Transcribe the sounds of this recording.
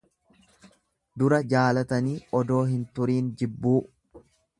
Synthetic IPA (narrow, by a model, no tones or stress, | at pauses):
d̪ʊɾɐd͡ʒaːlɐt̪ɐniːʔɔd̪o̞ːɦɪnt̪ʊɾiːnd͡ʒɪbːuː